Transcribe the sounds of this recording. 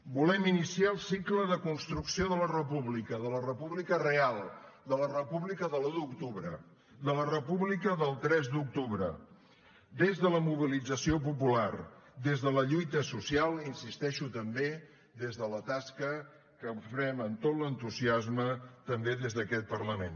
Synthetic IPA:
bulɛminisiaəlˠsikləðəkunst̪ɾuksioðələrəpuβlikəðələrəpuβlikərealˠd̪ələrəpuβlikəðəludukt̪uβɾə | d̪ələrəpuβlikəðəlˠt̪ɾɛzd̪uk̚t̪uβɾə̰ | d̪ezðələmuβilid͡zəsiop̬upulard̪ezðələʎujt̪əsusialˠinsist̪ɛʃut̪əmbe | d̪ezðələt̪askə | kəufɾɛmənt̪ot̪lənt̪uziazmət̪əmbeðezðəkɛt̪̚pərləmen

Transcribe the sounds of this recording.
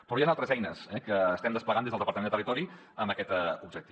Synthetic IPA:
pɾɔjanalˠt̪ɾəzɛjnəsɛkəːst̪ɛmd̪əspləɣand̪ezðlˠðəpəɾt̪əenət̪rit̪ɔɾi | əmbəkɛt̪ubʒək̚t̪i

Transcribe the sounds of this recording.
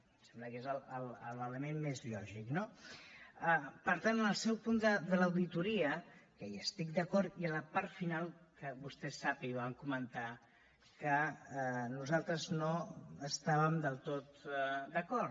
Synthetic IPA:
sɛmbləkezələlə̰lələmenmezʎɔʒikno | əpəɾt̪anənəlˠsɛwpund̪əd̪ələwðit̪uɾiəkəjəst̪ik̚d̪əkɔɾt̪iələpaɾt̪finalˠkəβust̪ɛsːapiβaŋkumənt̪a | kə | nuzalˠt̪ɾəznoəst̪aβəmd̪əlˠt̪ot̪d̪əkɔɾ

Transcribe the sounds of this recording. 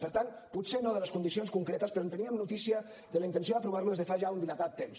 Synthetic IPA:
pəɾt̪an | put̪senoðələskund̪isionskuŋkɾet̪əspəɾɔont̪əniəmnut̪isiə | ðələint̪ənsioðəpɾuβaɾluðezðəfaʒaund̪ilat̪at̪ːems

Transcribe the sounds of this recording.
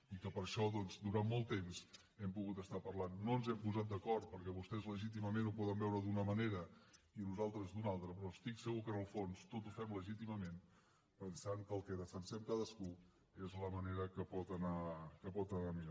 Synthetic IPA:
ikəpəɾʃɔðɔnzd̪uɾanmolˠt̪ːemz | ɛmpuɣut̪əst̪apərlanːonzɛmpuzat̪̚d̪əkɔɾt̪̚pəɾkɛβust̪ɛzləʒit̪̬iməmenupɔðəmbɛwɾəd̪unəməneɾə | inuzalˠt̪ɾəzd̪unalˠt̪ɾəpɾɔst̪iksəɣukənəlˠfonst̪ot̪ufɛmləʒit̪iməmen | pənsaŋkəːlˠkəðəfənsɛmkaðəsku | ezləməneɾəkəpɔt̪ənakəpɔt̪ənamiɾa

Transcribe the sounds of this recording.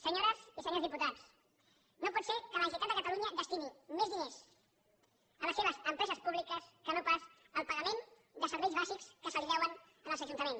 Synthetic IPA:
səɲoɾəzisəɲozðiput̪as | nopɔt̪sekələnt̪it̪at̪d̪əkət̪aluɲəðəst̪inimezðines | ələseβ̞əzəmpɾɛzəspuβlikəskənopas | əlˠpəɣəmen | d̪əsəɾβɛjzβazikskəsəliʎɛwən | ənəlˠzəʒunt̪əmen

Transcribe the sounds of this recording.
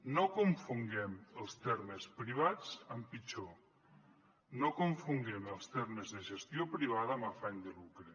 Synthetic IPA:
nokuɱfuŋɡɛməlˠst̪ɛɾməspɾiβ̞at͡səmpit͡ʃo | nokuɱfuŋɡɛməlˠst̪ɛɾməzðəʒəst̪jopɾiβ̞aðəmafaɲd̪əlukɾe

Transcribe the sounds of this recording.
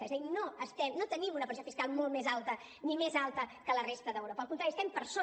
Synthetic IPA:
ezinoəst̪ɛmnot̪ənimunəpɾsiofiskalˠmolˠmezalˠt̪ə | nimezalˠt̪əkələrest̪əðəwɾopəlkunt̪ɾaɾiəst̪ɛmpəɾso

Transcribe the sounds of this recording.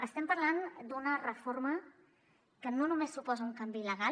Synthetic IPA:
əst̪ɛmpəɾland̪unərəformə | kənonumesːupɔzəuŋkambiləɣa

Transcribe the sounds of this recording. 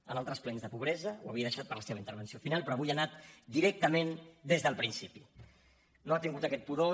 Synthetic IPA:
ənalˠt̪ɾəsplenzðəpuβ̞ɾɛzəwaβiəðəʃat̪̚pəɾləseβəint̪əɾβənsiofinalˠpɾɔaβujanat̪d̪iɾɛk̚t̪əmend̪ezðəlˠpɾinsipi | noat̪iŋɡut̪əkɛt̪̚puðo

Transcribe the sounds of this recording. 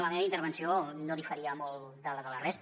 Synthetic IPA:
məðeint̪əɾβənsionoðifəɾiəmolˠd̪ələðələres

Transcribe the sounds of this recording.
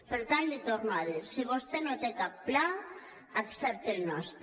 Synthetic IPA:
peɾt̪anlit̪oɾnaðiɾsiβost̪enot̪ekapːla | aksɛp̚t̪elnɔst̪

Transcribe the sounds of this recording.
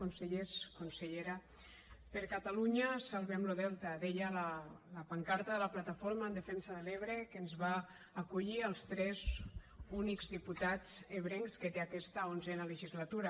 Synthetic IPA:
onseʎeskonseʎeɾa | pəɾkat̪aluɲasalˠβɛmloðɛlˠt̪aðeʎalalapaŋkaɾt̪aðəlaplat̪afoɾmaːnd̪efɛnsaðəleβɾekənzβaː | kuʎiəlˠst̪ɾɛzunikzðiput̪ad͡zeβɾeŋsket̪eakɛst̪aonzɛnaləʒizlat̪uɾa

